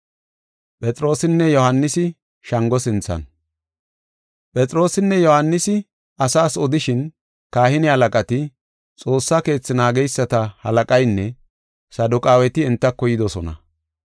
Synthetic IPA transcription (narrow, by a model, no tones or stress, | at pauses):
pʼɛt͡sʼɾo̞ːsɪnːɛjɔhɐnːɪsɪ | ʃɐŋɡɔsɪnt͡sːɐ̰n | pʼɛt͡sʼɾo̞ːsɪnːɛjɔhɐnːɪsɪ | ʔɐsaːsɔd̪ɪʃɪn | kaːhɪnɪhɐlɐkʼɐt̪ɪ | t͡sʼo̞ːsːake̞ːt͡sːɪnaːɡɛjsːɐt̪ɐhɐ̰lɐkʼɐjnːɛ | sɐd̪ʊkʼaːwɛt̪ɪɪnt̪ːɐkːɔjɪd̪ɔsɔnɐ̰